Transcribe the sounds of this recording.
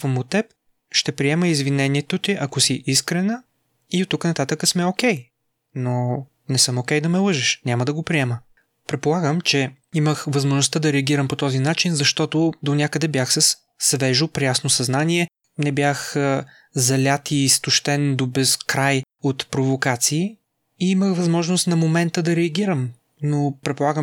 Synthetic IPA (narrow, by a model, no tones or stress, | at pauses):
fɐmot̪ɛp̚ | ʃt̪ɛpɾiɛməizvinɛniɛt̪ʊt̪iʔɐkosiʔiskɾɛnə | it̪ːuknɐt̪at̪əkəsmɛokʲɛj | no | nɛsɤmokʲɛjd̪ɐmɛlˠɤʒɛʃnʲaməd̪ɐɡopɾiɛmə | pɾɛt̪̚polˠaɡəmt͡ʃɛ | iməxvɐzmoʒnʊst̪ad̪ɐɾɛɐɡʲiɾəmpot̪ɔzinat͡ʃinzɐʃt̪ɔt̪od̪onʲakəd̪ɛbjaxsɐs | svɛʒʊpɾɛjasnosɐznaniɛ | nɛbjax | zɐlʲat̪iːst̪ʊʃt̪ɛnd̪obɛskɾaj | ot̪pɾovokat̪siː | iiməxvɐzmɔʒnost̪nɐmomɛnt̪əd̪ɐɾɛɐɡʲiɾəm | nopɾɛt̪polˠaɡəm